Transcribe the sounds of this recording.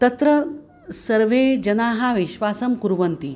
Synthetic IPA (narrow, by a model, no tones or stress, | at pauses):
t̪ɐt̪ɾɐ | sɐɾʋed͡ʑɐnaːɦaʋiʃʋaːsɐmkuɾʋɐnt̪i